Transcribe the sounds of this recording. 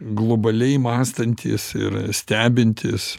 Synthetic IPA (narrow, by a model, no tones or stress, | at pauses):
ɡlˠobɐlʲɛɪmɑːst̪ɐnʲt̪ʲḭːsɪ̰ɾsʲt̪ʲæːbʲɪnʲt̪ʲɪːs